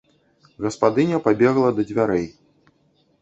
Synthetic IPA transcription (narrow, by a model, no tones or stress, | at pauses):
ɣɐspad̪ɨnʲɐpabʲɛɣlˠɐd̪ɐd͡zʲvʲaɾɛj